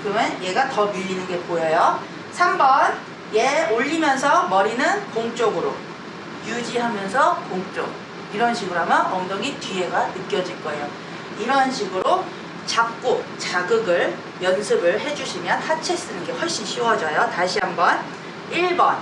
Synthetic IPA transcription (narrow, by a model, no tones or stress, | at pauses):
kɯɾʌmʌnje̞ɡatʌmiʎːinɯnɡe̞pojejo | sʰambʌn | jeoʎːimjʌnsʰʌmʌɾinɯnkoŋt͡ɕ͈oɡɯɾo̰ | jud͡ʑiɦamjʌnsʰʌkoŋt͡ɕ͈o̰k̚ | iɾʌnɕʰiɡɯɾɦamjʌnʌŋdʌŋitɥieɡanɯk͈jʌd͡ʑiɭk͈ʌejo | iɾʌnɕʰiɡɯɾo | t͡ɕak̚k͈ot͡ɕaɡɯɡɯɭ | jʌnsʰɯbɯɭɦe̞d͡ʑuɕʰimjʌnhat͡ɕʰes͈ɯnɯnɡe̞wʌɭɕ͈inɕʰiwʌd͡ʑʌjotaɕʰiɦambʌn | iɭbʌn